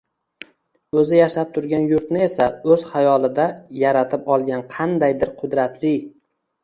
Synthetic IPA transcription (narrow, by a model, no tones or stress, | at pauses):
ɵzɪjaʃap̚t̪ʰʊɾɡʲanjʊɾt̪nɪe̞saɵz̥hajɒlˠɪd̪ajaɾat̪ʰɪpɒlˠɡʲanqʰɑnd̪ajd̪ɪɾqʰʊd̪ɾat̪ʰlɪ